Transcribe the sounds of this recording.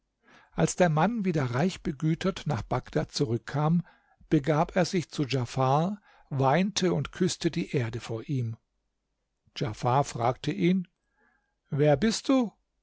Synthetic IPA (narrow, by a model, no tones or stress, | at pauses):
ʔalsd̥eːɐmanviːdɐʁaɪçb̥əɡyːtʰɐtnaːχb̥aɡd̥at̚t͡suʁʏkʰːaːm | b̥əɡaːpeːɐzɪçt͡sud͡ʒafaɐ | vaɪntʰəʊntkʰʏstədiːʔeːɐdəfoːɐʔiːm | d͡ʒafaɐfʁ̥aːktʰəʔiːn | veːɐbɪst̚d̥uː